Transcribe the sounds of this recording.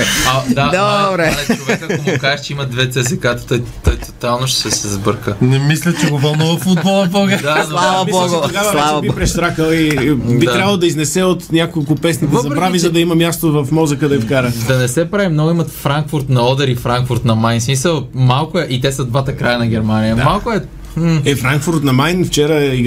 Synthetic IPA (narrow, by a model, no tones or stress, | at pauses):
ɐd̪ad̪obɾɛɛkakomokazɛʃt͡ʃɛimɐd̪vɛt̪sɛzɛkat̪ə̥t̪ojt̪ɔjt̪o̥t̪alˠnoʃt̪ɛ̥sɛsɛzbɤɾkənɛmislʲət͡ʃɛɡovɐlˠnuvəfud̪̚bɔlˠɐboɡəɾd̪azɐaiɔɡooɡavɐabipɾɛʃt̪ɾakəlˠidbiaɾʲjabəlˠd̪ɐiznɛsɛot̪nʲjakolˠkʊpɛsnid̪ɛzɐpɾbɾavizɐd̪ɐimɐmʲjast̪ovɐfmɔzəkəd̪ɐɛfkaɾəd̪ɐnɛsɛpɾavimnɔɡʊimɐt̪fɾaŋkfʊɾt̪nɐɔd̪ɛɾifɾaŋkfʊɾt̪nɐmajnsmisəlˠmalˠkʊɛʔit̪ɛsɐd̪vat̪ɐkɾajənɐɡʲɛɾmanijəmalˠkʊɛ | ɛfɾaŋkfʊɾt̪nɐmajnft͡ʃɛɾəi